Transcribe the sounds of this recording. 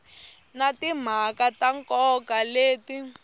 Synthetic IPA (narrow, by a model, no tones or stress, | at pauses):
natim̤akataŋkɔkaleːti